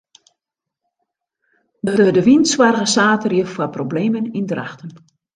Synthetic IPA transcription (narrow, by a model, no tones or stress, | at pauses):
dədədəʋinswarɣəsaːtərjəfwaprobleːmənindra̰xtən